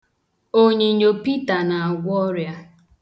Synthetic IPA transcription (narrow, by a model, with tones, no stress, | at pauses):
o˦ɲe˨ɲo˨pi˦ta˨na˨a˨ɡʷɔ˦ɾja˦